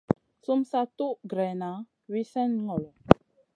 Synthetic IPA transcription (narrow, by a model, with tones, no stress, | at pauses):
su˦msa˦tu˦ʔɡɾɛ˨na˨˦ | wi˦sɛ˦nŋɔ˨lɔ˨